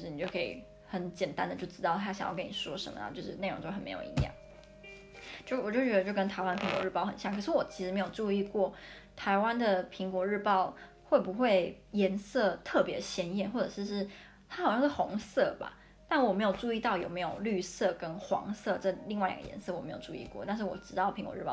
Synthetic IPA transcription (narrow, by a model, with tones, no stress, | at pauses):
ni˨˩t͡ɕo˥˩kʰɤ˧˥ḭ˨˩ | xə˧˦nt͡ɕjɛ˨˩nt̪a˦nd̪ə˨t͡ɕjo˥˩ʊʈ͡ʂɻ̩˥t̪ɑ˥˩ʊt̪ʰa˥ɕjŋjɑ̰˥˩kə˦ni˨˩ʂwɔ˥ʂə̰˧˦˥mə̰˩˨t͡ɕo˥˧ʊʂɻ̩˥˧ne˥˩ɻo̰˧ŋt͡ɕjo˥˩xə˨˩mḛ˧˥ɪjo̰˨˩˨ḭ˧˥jɑ̰˥˩ŋ | t͡ɕjo˥˧ʂɻ̩˥˩˨ɔ˨˩t͡ɕo˥˩t͡ɕɥɛ˧˥d̪ə˧t͡ɕo˥˩ʊkə˥nt̪ʰa˧ɪwa˥nd̪ə˩pʰi˧˥ŋkwɔ̰˧˥ɻ̩˥˧˩pɑ˥˩ʊxə̰˨˩nɕjɑ˥˩ŋkʰə˩ʂ̩˥˩wɔ˨˩t͡ɕʰi˧˥ʂɻ̩˧˥m˧˥ɪjo˨˩ʊʈ͡ʂu˥˧i˥˧kwɔ˥˩ | t̪ʰa˧˥ɪwa˦nd̪ə˨pʰi˧˥ŋkwɔ˧˥ɻɻ̩˥˧pɑ˥˧ʊ | xwe˥˩ɪpu˧˦xwe˥˩ɪjɛ˧˥nsɤ˥˧t̪ʰɤ˥˩pjɛ˧˦d̪ə˩ɕjɛ˧˥njɛ˥˩nxwɔ˥˩ʈ͡ʂɤ˨˩ʂ̩˥˧ʂɻ̩˥˩ | t̪ʰa˥xɑ˨˩ʊjɑ˥˧ʂ̩˥˩xo˧˥ŋsɤ˥˩ba̰˨˩ | t̪a˥˩nwɔ˨˩me˧˥ɪjo˨˩ʊʈ͡ʂu˥˧i˥˧t̪ɑ˥˩ʊjo̰˨˩me˧˥ɪjo˨˩ʊly˥˧sɤ˥˩kə˦nxwɑ̰˧˥ŋsɤ˥˧ʈ͡ʂɤ˥˧li˥˧ŋwa˥˩ɪj̰ɑ̰˨˩ɡə̰˨jɛ̰˧˦nsɤ˥˩wɔ˨me˧˥ɪo̰˨˩ʊʈ͡ʂu˥˧ḭ˥˧kwɔ̰˥˩˦t̪a˥˧nʂ̬ɻ̩˥˩wɔ̰˨˩ʈ͡ʂɻ̩˧t̪ɑ˥˩pʰi˧˦ŋkwɔ˧˥ɻ̩˥˧pɑ˥˩